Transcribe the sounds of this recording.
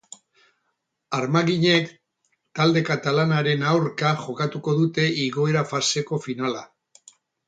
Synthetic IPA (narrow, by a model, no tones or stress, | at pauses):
aɾmaɣiɲe̞k | t̪ald̪e̞kat̪alanaɾe̞nawɾkaʝo̞kat̪uko̞ðut̪e̞iɣo̞eɾafase̞ko̞finala